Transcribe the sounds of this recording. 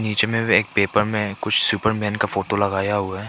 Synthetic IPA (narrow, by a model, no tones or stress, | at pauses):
niːt͡ʃemẽbieːk̚peːpəɾmẽkʊt͡ʃʰsuːpəɾmɛ̃ːnkafoːʈolɐɡaːjaɦʊa